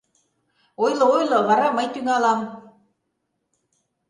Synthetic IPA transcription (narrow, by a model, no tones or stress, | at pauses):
ojlɤ̆ojlˠɤ̆βɑɾɑməjt̪yŋɑlɑm